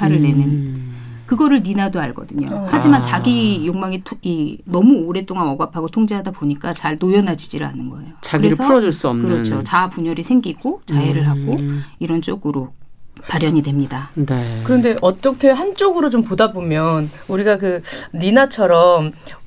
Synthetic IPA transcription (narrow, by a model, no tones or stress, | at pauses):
aɾɯɭːe̞nɯn | kɯɡʌɾɯɭninadoaɭɡʌdɯɲo̰had͡ʑimant͡ɕaɡijoŋmaŋitʰinʌmuoɾe̞t͈oŋanʌɡapʰaɡotʰoŋd͡ʑeɦadaboɲik͈at͡ɕaɭtojʌnad͡ʑid͡ʑiɾɯɭa̰nɯnɡʌe̞̰jot͡ɕaɡɯɡɾeɾɯɭsʰʌuɾʌd͡ʑoɭs͈umkɯɾʌt͡ɕʰot͡ɕapuɲʌɾisʰe̞ŋɡiɡot͡ɕajeɾɯɭɦaɡoiɾʌnt͡ɕ͈oɡɯɾopaɾjʌɲidwe̞mɲidanekɯɾʌnde̞ʔʌt͈ʌkʰe̞ɦant͡ɕ͈oɡɯɾot͡ɕompodabomjʌnuɾiɡakɯninat͡ɕʰʌɾʌm